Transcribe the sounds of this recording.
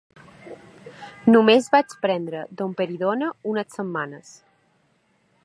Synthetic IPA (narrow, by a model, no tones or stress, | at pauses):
numezβat͡ʃpɾɛnd̪ɾəd̪ompəɾiðonəunəsəmːanəs